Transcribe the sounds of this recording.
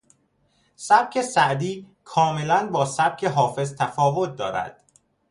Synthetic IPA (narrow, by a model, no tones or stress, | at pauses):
sæb̥̚cʰe̞sæʔd̪iː | kʰɒːme̞lænbɒːsæb̥̚cʰe̞ɦɒːfe̞zt̪ʰæfɒːvot̪̚d̪ɒ̰ːɾæ̰d̪̥